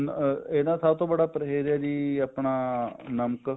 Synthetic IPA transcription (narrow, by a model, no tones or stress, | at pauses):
enat̪ʰaːt̪obəɽapɾəɦeːɾjaːd͡ʒiːəpɳanəmk